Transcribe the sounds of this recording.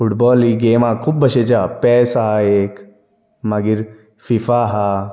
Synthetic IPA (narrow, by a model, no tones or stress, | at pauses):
fuʈbɔːliɡeːmaːkʰuːbbɐɕet͡ʃaːpɛːsaeːk | maɡiɾ | fifaɦa